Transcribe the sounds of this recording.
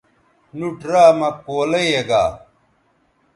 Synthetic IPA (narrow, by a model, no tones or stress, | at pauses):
nuʈɾaːmɐkoːlɐjeɡaː